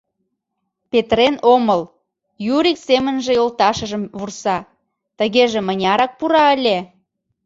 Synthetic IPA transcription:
pet̪ɾenoməl | juɾiksemənʒĕjolt̪ɑʃəʒəmβursɑ | t̪əɣeʒĕmənʲɑɾɑk̚puɾɑəlʲe

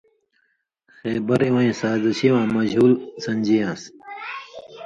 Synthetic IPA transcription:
xeːbɐɾiwãĩːsaːzɐɕiwãːmɐd͡ʑɦuːlsɐnʲd͡ʑijãːs

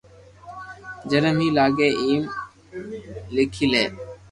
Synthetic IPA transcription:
d͡ʒənəmɦiːlaːɡeːʔiːm | lɪkʰiːleː

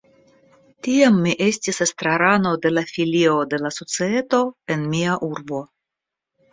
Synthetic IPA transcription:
tiamːiʔe̞stisest̪ɾaɾano̞de̞lafilio̞de̞laso̞t͡siet̪o̞e̞nmiaʔuɾbo̞

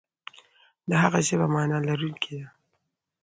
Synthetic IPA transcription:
d̪əɦaɣazebamɑnɑlaɾunkʰed̪a

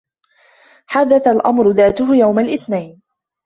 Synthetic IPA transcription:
ħaðaθalʔa̰mɾʊðaːt̪ʊɦʊjawmalʔɪθnajn

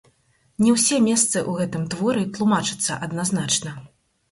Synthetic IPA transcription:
nʲɛwsʲɛmʲɛst̪sɨʔuɣɛt̪ɨmt̪vɔɾɨt̪lˠumat͡ʂɨ̥t̪sːɐ̰ʔɐd̪naznat͡ʂnɐ

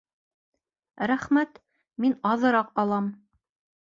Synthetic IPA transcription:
ɾæχmæt̪ | minɒðɤ̆ɾɑqɒlˠɑm

